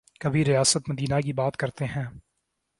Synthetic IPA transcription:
kɐbʱiɾijaːsət̪mɐd̪iːnakibaːt̪kɐɾt̪eɦɛ̃ː

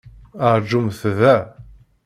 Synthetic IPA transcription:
əɾˤd͡ʒumθðæ

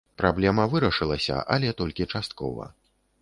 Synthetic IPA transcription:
pɾablʲɛmɐvɨɾɐʂɨlˠɐsʲɐ̰ʔɐ̰lʲɛt̪ɔlʲkʲit͡ʂast̪̚kɔ̰vɐ̰

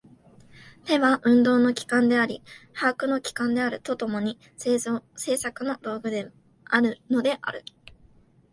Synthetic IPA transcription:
t̪e̞βaʔɯ̟̃nd̪o̞ːno̞kʲi̥kãnd̪e̞aɾʲihaːkɯ̟no̞kʲi̥kãnd̪e̞aɾɯ̟t̪o̞t̪o̞mo̞ɲ̟i | se̞ːsakɯ̟no̞ɾo̞ːɡɯ̟d̪e | aɾɯ̟no̞d̪e̞ʔa̰ɾɯ̟

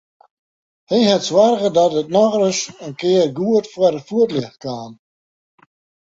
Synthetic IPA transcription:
hiɦɛtswarɣədɔtət̚nɔɣrəʃənkɪːrɡuətfuəɾəfuətlɪxkʰaːn

